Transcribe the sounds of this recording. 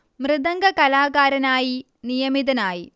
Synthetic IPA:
mrɨðɐŋɡɐkɐlaːɣaːɾɐnaːji | nijɐmiðɐnaːji

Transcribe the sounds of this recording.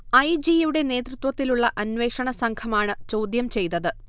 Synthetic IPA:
ɐjd͡ʑijuɽe̞ne̞ːt̪rɨt̪wɐt̪ːiluɭːɐʔɐnʋe̞ːkʂɐɳɐsɐŋkʰɐmaːɳɨt͡ɕo̞ːd̪jɐmt͡ɕe̞jt̪ːɐðɨ

